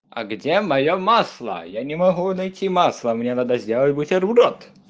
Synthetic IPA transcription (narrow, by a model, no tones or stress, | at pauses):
ɐ̰ɡdʲemɐjomaslˠə̰janʲɪmɐɣunɐjtʲimaslˠəmnʲenad̪əzʲdʲelˠətʲbutʲerbɾot̪